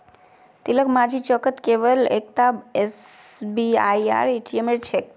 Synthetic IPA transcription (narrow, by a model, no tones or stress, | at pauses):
t̪iləkmãd͡ʒit͡ʃəkət̪keʋəlḛk̚t̪abesbiaja̰ɾeʈʰiemeɾt͡ʃʰek̚